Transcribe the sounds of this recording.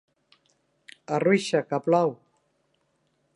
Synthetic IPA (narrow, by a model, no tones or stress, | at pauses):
arwiʃakaplaw